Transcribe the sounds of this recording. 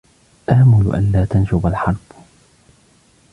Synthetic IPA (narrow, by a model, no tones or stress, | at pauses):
ʔaʕmʊl̰ʔa̰nlaːt̪anʃʊbalħɑɾˤb